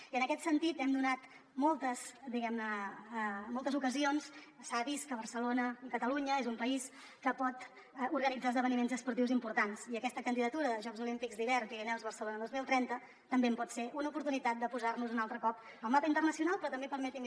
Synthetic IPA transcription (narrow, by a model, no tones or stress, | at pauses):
iənəkɛt̪sənt̪it̪ɛmd̪unat̪ | mɔlˠt̪əsd̪iɣɛmnə | mːɔlˠt̪əzukəzionssaβiskəβ̞ərsəlonəəkət̪əluɲəezumpəis | kəpɔt̪ | uɾɣənid͡zalzðəβənimenzəspuɾt̪iwzimpuɾt̪ansiəkɛst̪əkənd̪iðət̪uɾəðəʒɔkzulimpikzd̪iβɛrnpiɾinɛwzβərsəlonəd̪ozmilˠt̪ɾɛnt̪ə | t̪əmbempɔt̪seʔunəupuɾt̪unit̪at̪̚d̪əpuzarnuzunalˠt̪ɾəkɔp | əlˠmapəint̪ərnəsiunalˠpɾɔt̪əmbepəɾmɛt̪im